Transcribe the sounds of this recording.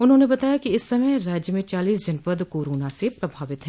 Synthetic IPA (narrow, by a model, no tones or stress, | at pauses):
ʊnɦõnebɐt̪aːjakiɪsːɐməjɾaːd͡ʒjəmẽt͡ʃaːliːsd͡ʒɐnpəd̪koːɾoːnasepɾɐbʱaːʋɪt̪ɦɛ̃ː